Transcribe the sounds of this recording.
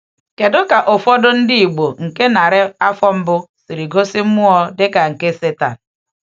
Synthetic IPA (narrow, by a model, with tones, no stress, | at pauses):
ke˨dʊ˦ka˨ʔo˨fɔ˦dʊ˦n̩˦dɪ˦i˨ɡ͡bo˨ŋ̩˨ke˦na˨ɾɪ˦a˦fɔ˦m̩˦bʊ˦si˨ɾi˨ɡo˦si˦m̩˦mʊ˦ɔ˦dɪ˦ka˨ŋ̩˨ke˦se˦ta˨n̩˨